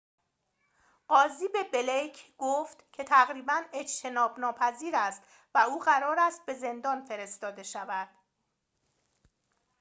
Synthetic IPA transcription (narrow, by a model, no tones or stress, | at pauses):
ɢɒːziːbe̞belejcʰɡ̥oft̪cʰe̞t̪ʰæɣɾiːbæne̞d͡ʒt̪ʰe̞nɒːbnɒːpʰæziːɾæst̪ | væuːɣæɾɒːɾæst̪̚be̞ze̞nd̪ɒːnfe̞ɾe̞st̪ɒːd̪e̞ʃævæd̪̥